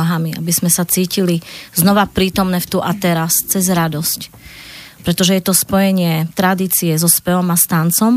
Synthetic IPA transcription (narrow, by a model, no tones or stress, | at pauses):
aɦamia̰bizmɛsat͡siːciliznɔʋapɾiːt̪ɔmnɛft̪uʔat̪ɛɾast͡sɛzɾad̪ɔsc | pɾɛt̪ɔʒɛjɛt̪ɔspɔjɛɲɪɛt̪ɾad̪iːt͡siɛzɔspɛʋɔmast̪aːnt͡sɔm